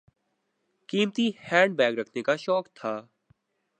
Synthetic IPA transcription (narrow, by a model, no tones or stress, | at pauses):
kiːmt̪ihɛ̃ːɳɖ̚bɛːɡɾəkʰnekaʃɔːkt̪ʰaː